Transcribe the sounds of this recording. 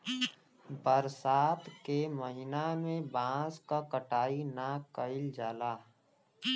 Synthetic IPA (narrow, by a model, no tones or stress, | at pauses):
bəɾsaːt̪keməɦɪnamẽbãːskakəʈaːinakəɪld͡ʒaːlaː